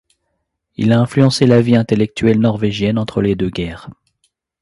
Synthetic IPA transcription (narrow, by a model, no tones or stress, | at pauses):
ḭlaɛ̃flyɑ̃selaviɛ̃t̪elɛk̚t̪ɥɛlnɔʁveʒjɛnɑ̃t̪χəled̪øɡʲɛːʁ